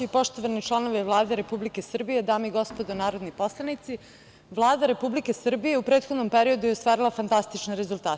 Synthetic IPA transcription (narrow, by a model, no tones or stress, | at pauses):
uipo̞ʃt̪oʋanit͡ʃlˠano̞ʋiʋlˠaːd̪e̞ɾe̞publike̞sr̩bije̞d̪aːmiɡo̞spod̪onaːɾod̪nipo̞slˠanit̪si | ʋlˠaːd̪aɾe̞publikesr̩bije̞upɾeːt̪xod̪no̞mpeɾiod̪ujost̪ʋaːɾilˠafant̪ast̪it͡ʃneɾezulˠt̪aːt̪